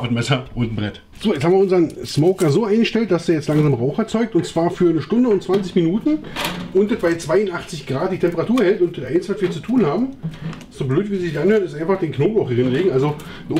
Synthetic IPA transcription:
bətmɛsɐʊntn̩bʁɛt | z̥oːjɛt͡shaːmviɐʊnzɐnsmɔʊkɐzoːaɪnɡəʃtɛlt̚d̥asd̥eːɐjɛt͡stlaŋzaːmʁaʊxɛɐt͡sɔʏk̚tʊnt͡sv̥aːɐfyːɐnəʃtʊndəʊntt͡sv̥ant͡sɪçminuːtn̩ʔʊntdətvaɪlt͡sv̥aɪʊntʔaχt͡sɪçɡ̥ʁaːt̚d̥iːtʰɛmpəʁatʰuːɐhɛltʊntdətʔaɪnsvatviːɐt͡su̥tʰuːnhaːbm̩ | sz̥oːbløːtviːzizɪçʔanhøːɐnɪstʔaɪnfaχd̥eːnknoːbʁaʊxʁɪnleːɡŋ̩ʔalzo

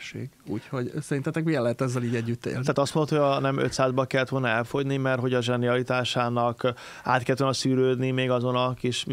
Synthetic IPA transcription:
ʃḛːɡṵːcho̞ɟsɛɾint̪ɛt̪ɛkmiɛlːɛɦɛt̪ɒzːɛliːɟɛɟːyt̪ːḛlaːt̪ɒst̪monot̪hoɒnɛmø̰t̪saːzbɒkɛlːɛt̪ʋo̞lnɒɛlfo̞ɟnimɛrt̪ɦo̞ɟɒʒɛniɒlit̪aːʃaːnɒk | a̰ːt̪̚kɛlːt̪olnɒsyːɾøːd̪nimeːɡɒzo̞nɒkiʃ

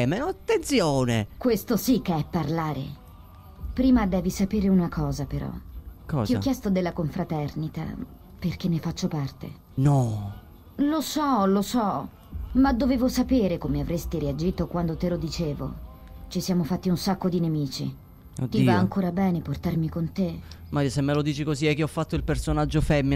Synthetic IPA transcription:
meoat̪ːent̪sjoːnḛkwest̪osikːeɛpːarlaːɾḛ | pɾiːmad̪ɛːvisapeːɾeunakʰɔːzapeɾɔ̰kɔiɔkːjɛst̪od̪elːakoɱfɾat̪ɛrnit̪a̰ | perk̟enːefat͡ʃːopart̪ḛ | nɔ | losɔlosɔ | mad̪ːoveːvosapeːɾekomeavɾest̪iɾiad͡ʒiːt̪okwand̪ot̪elod̪it͡ʃeːvo̰ | t͡ʃisjaːmofat̪ːiunsakːod̪inemiːt͡ʃḭ | d̪ivaaŋkoːɾabɛːneport̪armikont̪emaɾjsemːelod̪iːt͡ʃikoziɛkːeɔfːat̪ːoilpersonad͡ʒːofɛmːi

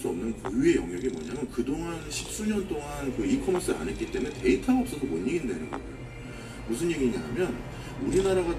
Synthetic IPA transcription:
s͈uʌmnɯnkujue̞jʌŋjʌɡimwʌ̰ɲamjʌnkɯdoŋanɕʰi̥p̚s͈uɲʌnt͈oŋankɯikʰʌmns͈ʰɯɾa̰nɦet̚k͈it͈e̞munee̞itʰaʌp̚s͈ʌdomwʌɲːiɡindainɯ̰nɡʌɡjo | mus̬ʰɯnje̞ɡiɲiamjʌn | uɾinaɾaɡa

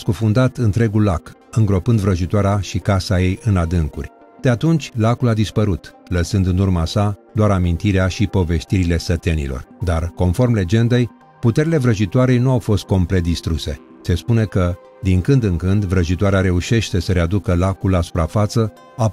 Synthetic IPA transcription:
skufund̪at̪ɨnt̪ɾe̞ɡullakɨŋɡɾo̞pɨnd̪vɾəʒit̪oaɾeaʃikasaje̞jʔɨnad̪ɨŋkṵrʲ | d̪̥e̞at̪unt͡ʃʲlakulad̪ispəɾut̪ləsɨnd̪ɨnurmasad̪oaɾamint̪iɾeaʃipo̞ve̞st̪iɾile̞sət̪e̞nḭlo̞̰rd̪arko̞nfo̞rmle̞d͡ʒe̞nd̪e̞j | put̪e̞ɾʲile̞vɾəʒit̪oaɾe̞jnuawfo̞st̪̚ko̞mple̞t̪̚d̪ist̪ɾuse̞̰ | se̞spune̞kə | d̪iŋkɨnd̪ɨŋkɨnd̪vɾəʒit̪oaɾeaɾe̞uʃe̞ʃt̪e̞səɾead̪ukəlakulːasu̥pɾafat̪sə | a

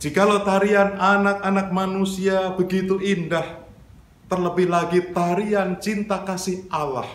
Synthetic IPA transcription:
d͡ʒ̥ikalot̪aɾiananak̚anak̚manusiabəɡit̪uindah | t̪ərləbɪhlaɡit̪aɾiant͡ʃint̪akasɪhʔala̰h

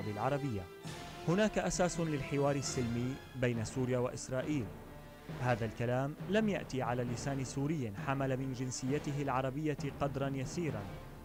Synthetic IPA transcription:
bɪlʕɑɾˤɑbɪjːa | hʊnaːkaʔasaːsʊlɪlħɪwɑːɾˤɪsːɪlmiːbajnasuːɾjaːwaʔɪsɾˤɑːʔiːl | haːðalkalaːmlamja̰ʔt̪iʕalaːlːɪsaːnɪsuːɾɪjːħamalamɪnd͡ʒɪnsɪjːat̪ɪɦɪlʕɑɾˤɑbɪjːaqɑd̪ɾˤɑnjasiːɾˤɑn

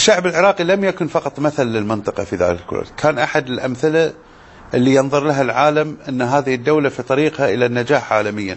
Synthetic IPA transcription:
ʃːaʕbɪlʕɪɾˤɑːqilamjakʊnfɑqɑt̪ˤmaθalːɪlmɪnt̪ˤɨqɑfiða̰ːllkʊ̰l̰ːlkʰaːnʔaħad̪ɪlʔamθɪla | ʔɪlːijɨnðˤʊɾˤlaɦalʕaːlamʔɪnːɦaːðɪhɪd̪ːawlafit̪ˤɑɾiːqhaʔɪlanːad͡ʒaːħʕaːlamɪjːa̰

